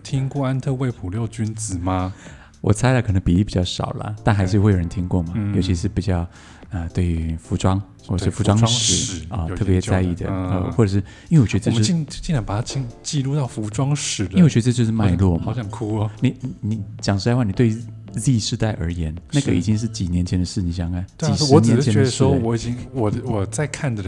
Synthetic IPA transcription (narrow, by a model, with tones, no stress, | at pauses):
t̪ʰi˥ŋkwɔ˥˩a˥nt̪ʰɤ˥˧we˥˩ɪpʰu˨˩ljo˥˩ʊt͡ɕy˥nt͡sɹ̩˨˩mɐ˩ | wɔ˨˩t͡sʰa˥ɪlə˨˧kʰɤ˨˩nɤ˧˥ŋpi˨li˥˩pi˨˩t͡ɕjɑ˥˩ʊʂɑ̰˨˩ʊlə̰˦t̪a˥˩nxa˧˥ɪʂ̬ɻ̩˥˧we˥˩jo˨˩ə˧˦nt̪ʰi˥ŋkwɔ˥˩mɐ˩jo˧˥t͡ɕʰi˧˥ʂɻ̩˥˩pi˨˩t͡ɕjɑ˥˩ʊ | ə˧t̪we˥˩ɪfu˧˥ʈ͡ʂwɑ˥ŋxwɔ˥˩˨ʂ̩˥˩fu˧˥ʈ͡ʂwɑ˥ŋʂɻ̩˨˩˧ə̰˥˧t̪ʰɤ˥˩pjɛ˧˥t͡sa˧˥˧ɪi˥˩d̪ə̰˩ə̰˧˩xwɔ˥˩ʈ͡ʂɤ˨˩ʂɻ̩˥˩ | i˥˧we˥˩wɔ˨˩t͡ɕɛ˧˥ə˧˥˧i˥˧˥t͡ɕi˥˩nɻa˦˥npa˨˩t̪ʰa˥˧˩i˥t͡ɕi˥˧lu˥˧t̪ɑ˥˩ʊfu˧˥ʈ͡ʂwɑ˥ŋʂɻ̩˨˩˥e˥˩˨ɥɛ˧˥˧ʈ͡ʂt͡ɕjʂɻ̩˥˧ma˥˧ɪlwɔ˥˩ma˨˧˥ɑ˨˩ŋkʰu˥ni˨˩ni˨˩ni˧˩t͡ɕjɑ˨˩ŋʂɻ̩˧˥˧wa˥˩ni˨˩t̪we˥˧ɪ | li˥˧ʂɻ̩˥˧t̪a˥˩ɪʔə̰˞˧˥jɛ˧˥nna˥˩ɡə̰˨i˨˩t͡ɕi˥ŋʂ̬ɻ̩˥˩t͡ɕi˨˩njɛ˧˥nt͡ɕʰɛ˥nd̪ə˧ʂɻ̩˥˩ni˨˩ɕ̬jɑ˧˥˩ŋka˥˩tt͡ɕi˨˩w̩˧˥njɛ˧˥t͡ɕʰɛ˧nɛ˥ə˧ʂ̩˧˥o˧ʊ˧wɔ˧˥i˨˩t͡ɕi˥ŋwɔ˨˩wɔ˨˩t͡sa˥˧ɪkʰa˥˩nd̪ə˨